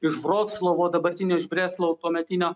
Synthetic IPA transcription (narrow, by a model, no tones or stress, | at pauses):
ɪʒbɾoːk̪slˠoːʋoːd̪ɐbɐɾʲt̪ʲɪnʲoːɪʒbʲɾʲæːslˠoːʊt̪oːmʲɛt̪ʲɪnʲoː